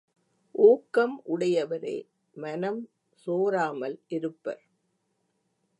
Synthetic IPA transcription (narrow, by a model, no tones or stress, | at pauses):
ʔoːkːɐmʔʊɽɐjɐʋɐɾḛː | mɐnɐm | soːɾaːmɐlʔɪɾɯpːɐ̰ɾ